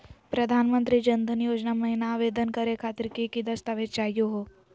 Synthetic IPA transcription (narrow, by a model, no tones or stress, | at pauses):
pɾɐd̪ʱaːnmə̃nt̪ɾid͡ʒɐnd̪ʱənjoːd͡ʒnamɐɦɪnaːʋeːd̪ənkɐɾekʰaːt̪ɪɾkekid̪ɐst̪aʋeːt͡ʃaːjoɦoː